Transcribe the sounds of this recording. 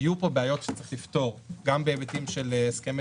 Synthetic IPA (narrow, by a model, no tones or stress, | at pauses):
jupobeajo̞tʃe̥t͡sʁi̥χlift̪o̞ʁɡambeːbet̪imʃe̞lskem